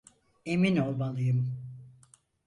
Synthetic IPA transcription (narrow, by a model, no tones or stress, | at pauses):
e̞mino̞lˠmalˠɯjɯm